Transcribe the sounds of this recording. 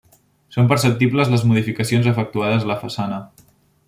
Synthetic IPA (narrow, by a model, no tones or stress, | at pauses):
sompəɾsəp̚t̪ipləzləzmuð̞ifikəsionzəfək̚t̪uaðəzələfəsanə